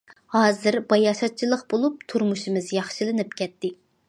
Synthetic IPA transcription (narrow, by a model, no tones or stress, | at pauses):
hɑːzɨɾbɑjɑʃɑt̪̚t͡ʃʰilˠəqbolˠup̚t̪ʰuɾmuʃimɨzjɑχʃɨlˠɨnɨp̚kʲʰɛt̪ːɪ